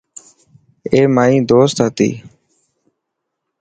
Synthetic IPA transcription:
eːmaːĩːd̪oːst̪ɦat̪ḭː

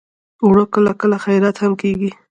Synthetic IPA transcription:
wɽokəlakəlaxajɾat̪hamkeɡi

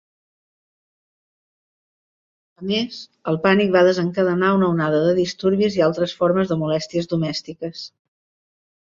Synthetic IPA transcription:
əmesəlˠpanik̚βaðəzəŋkəðənaunəunaðəðəðist̪uɾβizialˠt̪ɾəsfoɾməzðəmulɛst̪iəzðumɛst̪ikəs

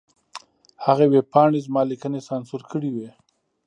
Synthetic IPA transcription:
haɣewepɑɳezmɑlikənesɑnsuɾkəɽiwe

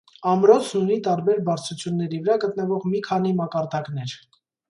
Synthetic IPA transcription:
ɑmɾɔt͡sʰnunit̪ɑɾbɛɾbɑɾt͡sʰut͡sʰjunːɛɾivəɾɑɡət̪nəvɔʁmikʰɑn̪imɑkɑɾd̪ɑknɛɾ

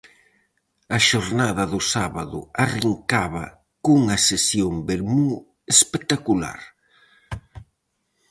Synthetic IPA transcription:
ɐʃoɾnaðɐðʊsaβaðʊariŋkaβɐ̰ | kuŋɐsesjombeɾmu | espet̪akula̰ɾ

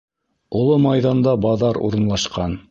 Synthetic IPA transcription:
ulˠɤmɑjðɑnd̪ɑbɑðɑɾṵɾɤ̆nlˠɑʃqɑn

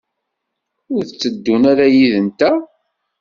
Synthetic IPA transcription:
ʊɾθət͡sːəd̪ːunaɾæjiðənt̪æ

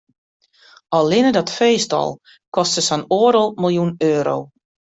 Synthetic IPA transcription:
ɔlˠːɪnədɔtfeːstɔ̰lˠ | kɔstəsanoəɾəlˠmɪlˠjunøːɾo̰w

